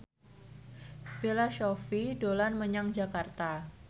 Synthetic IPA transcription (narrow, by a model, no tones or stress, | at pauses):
b̥elaʃofidolanməɲaŋd͡ʒakart̪a